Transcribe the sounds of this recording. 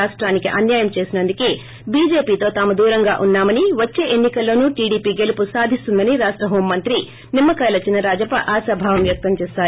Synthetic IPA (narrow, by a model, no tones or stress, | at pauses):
aːʂʈɾaːnikiʔɐnjaːjɐmt͡ʃe̞ːsinɐnd̪ukeː | biːd͡ʒe̞ːpiːt̪o̞ːt̪aːmud̪uːɾɐŋɡaːʔunːaːmɐniʋɐt͡ʃːe̞ːʔenːikɐlːo̞ːnuːʈiːɽiːpiːɡe̞lupusaːd̪ʱist̪und̪ɐniɾaːʂʈɾɐɦo̞ːmːɐnt̪ɾi | nimːɐkɐjlɐt͡ʃinɐɾaːd͡ʒɐpɐʔaːsɐbʱaːʋɐmʋjɐk̚t̪ɐmt͡ʃeːsaːɾ